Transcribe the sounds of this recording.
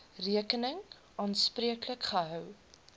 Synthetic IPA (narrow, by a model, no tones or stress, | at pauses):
riəkənəŋ | ʔɑːnspriəkləkχəɦœw